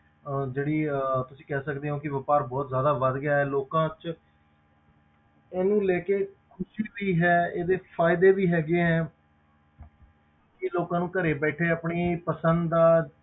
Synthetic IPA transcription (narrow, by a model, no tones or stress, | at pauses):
d͡ʒeːɽiːt̪ʊsĩːkɛːsəkd̪eːɦõːkɪʋəpaːɾbɔːt̪zjaːd̪aːʋəd̪ɡɪjaːɦɛːloːkãːt͡ʃ | ɛːnũːlɛːkeːkʰʊʃiːʋiːɦɛːeːd̪eːpʰaːɪd̪eːʋiːɦɛːɡeːɦɛ̃ː | kɪloːkãːnũːkəɾeːbɛːʈʰeːaːpɳiːpəsənd̪d̪aː